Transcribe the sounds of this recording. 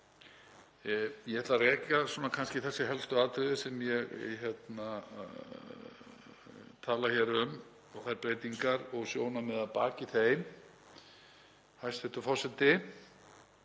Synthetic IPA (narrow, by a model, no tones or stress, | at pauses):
jɛɛɾt̪arɛːcasuːnakʰanscɪθɛsːɪɦɛlst̪ʏaːðt̪ɾʏðɪsɛmjɛɣçɛt̪na | t̪ʰaːlaçɛɾʏm | ɔɣθajɾpɾeːjt̪iŋkaɾɔɣsjoːwnamɛðaðpa̰ːciθejm | hajst̪θɛht̪ʏfɔr̥sɛt̪ɪ